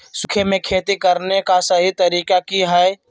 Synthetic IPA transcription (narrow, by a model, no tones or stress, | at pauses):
sʊkʰemẽkʰeːt̪ikəɾnekasəɦit̪əɾiːkakiɦɛ